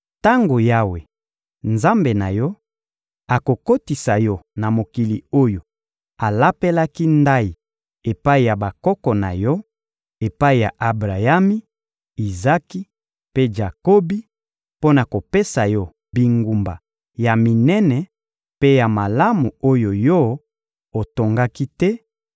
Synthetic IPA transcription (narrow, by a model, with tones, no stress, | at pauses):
ta˦ŋɡo˨ja˦we˨ | nza˦mbe˨na˨jɔ˦ | a˨ko˨ko˦ti˨sa˨jɔ˦na˨mo˨ki˨li˨o˦jo˨ | a˨la˦pe˦la˦ki˦nda˦i˨ | e˨pa˦i˨ja˨ba˨kɔ˦kɔ˨na̰˨jɔ˦ | e˨pa˦i˨ja˨ʔa˨bʁa˨ja˦mi˦ | i˨za˦ki˦ | pe˦ʒa˨ko˦bi˦ | po˦na˨ko˨pe˦sa˨jɔ˦ | bi˨ŋɡu˨mba̰˨ | ja˨mi˨nɛ˦nɛ˨ | pe˦ja˨ma˨la˦mu˨o˦jo˨jɔ˦ | o˨to˨ŋɡa˦ki˦tɛ˦